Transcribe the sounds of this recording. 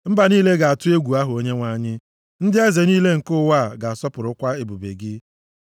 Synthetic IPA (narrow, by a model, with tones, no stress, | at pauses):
m̩˦ba˨niː˦le˦ɡa˨a˨tʊ˦e˦ɡʷu˨a˦ɦʊ˨o˦ɲe˦ŋʷa˨ɲɪ˦ | n̩˦dɪ˦e˦ze˨niː˦le˦ŋ̩˨kʊ˦˨wa˦˨ɡa˨a˨sɔ˦pʊ˨ɾʊ˦kʷa˦e˨bu˨bḛ˨ɡɪ˦